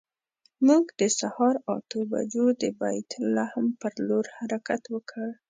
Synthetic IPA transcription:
muɡd̪əsahɑɾɑ̰t̪oba̰d͡ʒod̪əba̰jt̪lahmpəɾloɾhaɾakat̪wəkʰəɽ

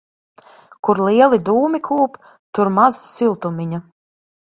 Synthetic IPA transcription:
kuɾliɛlˠid̪uːmʲikʰuːp | t̪uɾmazsilˠt̪umʲiɲu

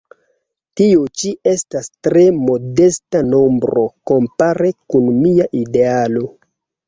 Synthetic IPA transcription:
tiot͡ʃiʔe̞stastɾe̞mo̞de̞stano̞mbɾo̞ko̞mpaɾe̞kunmiaʔidealo̞

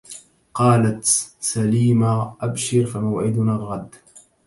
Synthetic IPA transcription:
qɑːlat̪saliːmaʔabʃɪɾfamawʕɪd̪ʊnaːlɣad̪ː

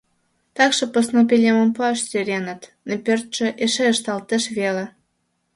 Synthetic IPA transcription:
t̪ɑkʃɤ̆posnop̬ʲelʲeməmpoɑʃsʲøɾʲenət̪nepʲørt̪̚ʃĕʔeʃeəʃt̪ɑlt̪ə̆ʃβelĕ

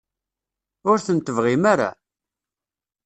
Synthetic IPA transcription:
ʊɾθənt̪əvʁimaɾa̰

